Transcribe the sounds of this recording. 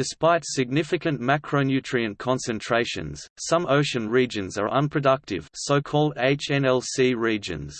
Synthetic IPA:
d̥ɪspaɪtsɪɡ̚nɪfɪkə̃nmækʰɹ̥əʊnjʉˑtɹ̥iɨ̃nkʰɑ̃nsɨ̃ntʰɹ̥eɪʃə̰̃nz̥sʌ̃məʊʃə̃nɹid͡ʒə̃nzə̰˞ʔʌ̃npʰɹ̥ɨdʌk̚tɪ̰v̥səʊkʰɔːlˠdeɪt͡ʃɛ̃nɛlˠsiɹiːd͡ʒə̰̃nz̥

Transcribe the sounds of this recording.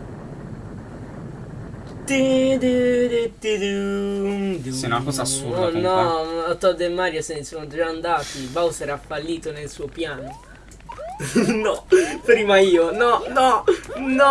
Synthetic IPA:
t̪id̪id̪et̪ːid̪u | d̪sɛɛṵnakɔːzaasːṵɾdnːɔat̪ɔd̪emːaɾjasenːɪsɔnod͡ʒaːnd̪aːt̪ibawsɛːɾaafalːiːt̪onelsupjaːno | nɔpɾiːmaiːonɔnɔnɔ

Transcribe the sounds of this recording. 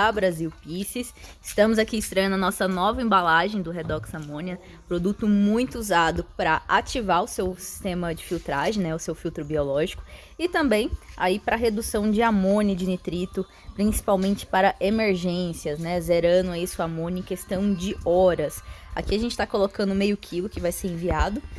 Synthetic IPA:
abɾaziwpisisɪst̪ɐ̃mʊzakiɪst̪ɾɐjɐ̃nʊɐnɔsɐnɔvɐẽmbalaʒẽj̃d̪ʊɦed̪ɔksamõniɐ | pɾod̪ut̪ʊmũj̃t̪ʊuzad̪ʊpɾɐat͡ʃivaɾʊsewsi̥st̪ẽmɐd͡ʒɪfiwt̪ɾaʒẽj̃nɛʊsewfiwt̪ɾʊbiolɔʒikʊ̥ | ɪt̪ɐ̃mbẽj̃aipɾɐɦed̪usɐ̃w̃d͡ʒɪamõnɪd͡ʒɪnit̪ɾit̪ʊ | pɾĩsi̥pawmẽnt͡ʃɪ̥paɾɐʔemeɾʒẽsiɐznɛzɛɾɐ̃nʊɛisʊamõnʊẽkest̪ɐ̃w̃d͡ʒɪɔɾɐsa̰kiaʒẽnt͡ʃɪ̥t̪akolokɐ̃nd̪ʊmejʊkʰilʊkɪvajseɾẽviad̪ʊ

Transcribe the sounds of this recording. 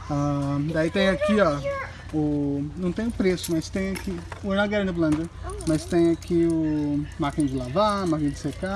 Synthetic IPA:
ad̪ait̪ẽj̃akia | ʊnɐ̃w̃t̪ẽj̃ʊpɾesʊmɐst̪ẽj̃akionɐɡɛɾnɐblɐ̃d̪ɐmɐst̪ẽj̃akʰiʊmaɾkẽd͡ʒɪlavamakẽd͡ʒɪseka

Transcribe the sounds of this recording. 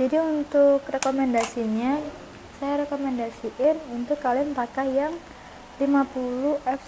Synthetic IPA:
d͡ʒadiunt̪ʊkrekomɛndasiɲa | sajaɾekomɛndasiʔɪnunt̪ʊkːalinpakajaŋ | limapuluʔɛf

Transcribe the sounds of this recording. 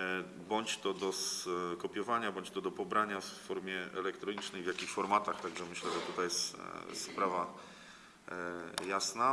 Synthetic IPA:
bɔɲt͡ɕt̪ɔd̪ɔskɔpʲjɔvaɲabɔɲt͡ɕt̪ɔd̪ɔpɔbɾaɲafːɔɾmʲjɛɛ̰lɛkt̪ɾɔɲit͡ʂnɛjvjakʲixfɔɾmat̪axt̪aɡʐɛmɘɕlɛʐɛt̪ut̪ajɛst̪spɾava | jasna

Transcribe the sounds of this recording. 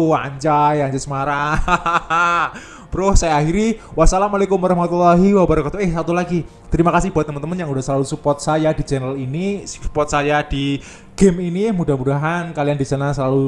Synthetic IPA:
a̰ɲt͡ʃajaɲt͡ʃasəmaɾaaa | bɾʊhsajaahiɾiwasalamalekʊmwaɾɑhmat̪ulaɦiwabaɾakat̪uɦɛhsat̪ulaɡi | t̪əɾimakasɪhbuat̪əmənt̪əmənjaŋudahsəlalusupɔt̪̚sajadit͡ʃɛnəlinisu̥pɔt̪̚sajad̥i | ɡ̥ɛminimudahmudaɦankaliandisənasəlalu

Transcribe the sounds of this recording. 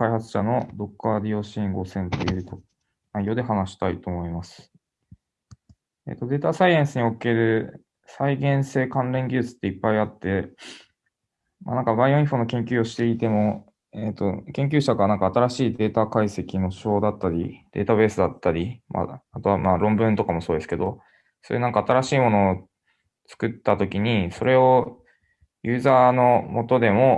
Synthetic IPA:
kaihat͡sɨ̥ɕano̞d̪o̞kːaɾʲio̞ɕĩŋɡo̞sẽ̞nt̪ejɯ̟ːt̪o | naijo̞ːd̪e̞ɦanaɕi̥t̪ait̪o̞ːmo̞imasɨ̥ | ḛt̪ːo̞d̪e̞ːt̪asaiãɰ̃sɨɲ̟ioke̞ɾɯ̟ | saiɡẽ̞ɰ̃se̞ːkãnɾẽ̞ŋɡʲɨːt͡sɨ̥t̪ːe̞ipːaiat̪ːe̞ | ma̰nãŋkabaioɲĩɸo̞no̞kẽ̞ŋkʲɨːoɕi̥t̪e̞it̪e̞mo̞ | et̪o̞kẽ̞ŋk̬ʲɨːɕaɡanãŋkaːt̪aɾaɕiːd̪e̞ːt̪akaise̞kʲino̞ɕo̞ːd̪at̪ːaɾʲḭd̪̥e̞̰ːt̪aβe̞ːsɨd̪at̪ːaɾʲima̰at̪o̞βamaɾõ̞mbɯ̟̃nt̪o̞kamo̞soːd̪e̞sɨ̥ke̞d̪o̞ | sojḛnãŋkaːt̪aɾaɕiːmo̞no̞ | t͡sɨ̥kɯ̟t̪ːat̪o̞kʲiɲ̟iso̞ɾe̞o̞ | jɯːzaːno̞mo̞t̪o̞d̪e̞mo̞

